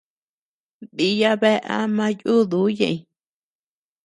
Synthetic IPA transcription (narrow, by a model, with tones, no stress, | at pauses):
d̪i˧ja˧βe˦ʔa̰˦mã˦ju˦˨ðu˦jḛ̃˧˨ĩ˧